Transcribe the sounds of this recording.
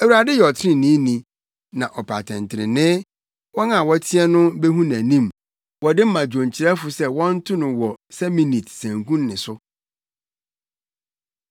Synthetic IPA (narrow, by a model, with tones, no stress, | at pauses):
æ˨wu˨ɾa˨dɪ˦jɛ˨ɔ˨tʰɪ˦ɾɪ̃˦nĩ˦nĩ˨ | nã˨ʔɔ˨pʰa̰˨tʰɛ̃˨ntʰɪ˨ɾɪ̰˨nɪ̃˦ | wɔ˦nã˨wɔ˦tʰi˦ɛ˦nʊ̃˦bɛ˦ɦũ˦næ̃˨nĩ˦m | wɔ˨dɪ˦m̩˦mã˨d͡ʑᶣõ˨ɲ˨t͡ɕʰɪ˨ɾɛ˦fʊ˨sɛ˦wɔ̃˦n̩˦tʰʊ˦nʊ̃˨wɔ˨sɛ˦mĩ˨ni˨tsæ̃˨ŋkʰũ˦nːɪ̃˨sʊ˦